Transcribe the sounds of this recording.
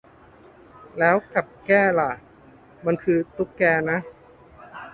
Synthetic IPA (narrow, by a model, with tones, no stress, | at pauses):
lɛː˦˥wka˨˩p̚kɛː˥˩la˨˩ | ma˧nkʰɯː˧t̪u˦˥kːɛː˧na˦˥